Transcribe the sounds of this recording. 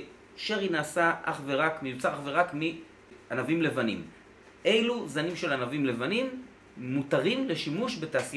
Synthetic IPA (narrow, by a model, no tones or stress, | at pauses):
ʃeʁinaːsaʔaχveʁakmejut͡saʁaχve̞ʁakmi | anavimle̞vanḭm | ʔe̞jluzanimʃe̞lanavimle̞vanimː | utaʁimle̞ʃimuʃbe̞taːsi